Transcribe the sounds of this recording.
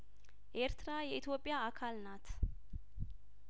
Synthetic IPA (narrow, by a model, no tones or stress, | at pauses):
ʔe̞ɾt̪ʰɨɾajɛʔit̪ʰjo̞pʼːjaakʰalnat̪ʰ